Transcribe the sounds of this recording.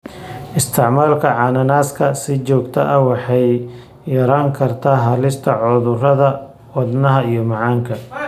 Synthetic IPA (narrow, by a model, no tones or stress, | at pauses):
ʔɪst̪ʰɪʕmaːlkʰɐʕɑːnɐnaːskʰɐsɪt͡ʃɔːɡt̪ʰɐʔɐwɑħɑj | jɐɾaːŋkʰɐrt̪ʰaːɦɐlɪst̪ʰɐʕʊðʊrɐðɐ | wɑd̪nɐɦɐijɞmɑʕɑːŋkʰɐ